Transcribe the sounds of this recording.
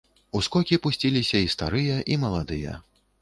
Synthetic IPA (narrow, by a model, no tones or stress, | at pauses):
uskɔkʲipusʲt͡sʲilʲisʲɐist̪a̰ɾɨjɐʔimɐlˠad̪ɨjɐ̰